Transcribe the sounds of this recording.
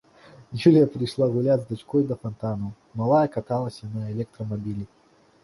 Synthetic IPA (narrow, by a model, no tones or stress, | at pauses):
julʲijɐpɾɨjʂlˠaɣulʲazd̪at͡ʃkɔjd̪ɐfant̪anɐw | malˠajɐkat̪alˠɐsʲjanɔjɛlʲɛk̚t̪ɾɐmabʲilʲi